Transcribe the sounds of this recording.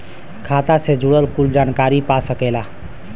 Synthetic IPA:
kʰat̪ased͡ʒuɽəlkuld͡ʒankaɾipasəkɛla

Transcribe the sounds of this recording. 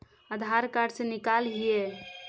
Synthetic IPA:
əd̪ʱaɾkaɾɖsenikalɦije

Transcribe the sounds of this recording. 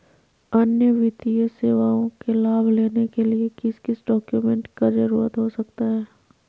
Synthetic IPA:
ɐnjəʋɪt̪ijəseːʋaːõkelaːbʱleːnekeliekɪskɪsɖɔːkjumɛ̃ɳʈkad͡ʒɐɾuːɾət̪ɦosɐk̚t̪aɦɛː

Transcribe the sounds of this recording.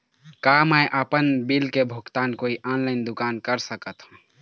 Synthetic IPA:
kaməjʔəpənbilkebʱʊkt̪aːnkoːiʔɔːnlaɪnd̪ʊkaːnkəɾsəkət̪ɦũ

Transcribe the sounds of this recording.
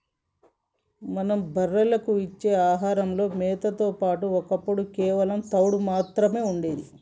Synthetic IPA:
mɐnɐmbʱɐrːɐlɐkuit͡ʃːe̞ːaːɦaːɾɐmlo̞ːmɛːt̪ɐt̪o̞ːpaːʈuɔkɐpːuɽukɛːʋɐlɐmt̪ɐwɽumaːt̪ɾɐme̞ːuɳɖeːd̪i

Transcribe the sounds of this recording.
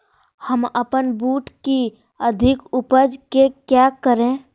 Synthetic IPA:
həməpənbuːʈki | əd̪ʱɪkʊpəd͡ʒkekjaːkəɾẽ

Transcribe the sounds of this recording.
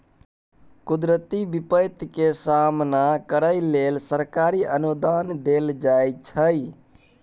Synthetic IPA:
kud̪ɾət̪ibipəjt̪kesamnakəɾəlelsəɾkaɾiʔənud̪and̪eld͡ʒajt͡ʃʰəj

